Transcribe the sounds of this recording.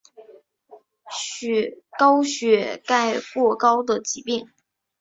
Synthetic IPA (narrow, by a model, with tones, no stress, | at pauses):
ɕkɑ˥ʊɕɥɛ˧˥ka˥˧ɪkwɔ˥˩kɑ˥ʊd̪ə˨t͡ɕi˧˥pi˥˩ŋ